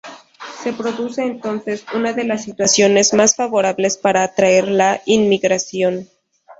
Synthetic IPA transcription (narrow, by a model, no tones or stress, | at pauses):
se̞pɾo̞ðuse̞ːnt̪o̞nse̞sunaðe̞lasːit̪wasjo̞ne̞zmasfaβo̞ɾaβle̞spaɾaːt̪ɾae̞ɾlainmiɣɾasjo̞n